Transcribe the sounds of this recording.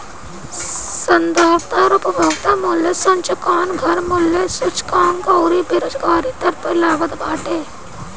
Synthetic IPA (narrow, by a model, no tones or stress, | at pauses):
sɐnd̪aːɾt̪aɾʊpəbʱaːɡt̪amʊːljesɐ̃ɲt͡ʃəkaːnɡʱɐɾmʊlːesʊt͡ʃkaːŋkɐːɾibɪɾoːd͡ʒɡaːɾit̪ɐɾpɪlaːʋət̪baːʈeː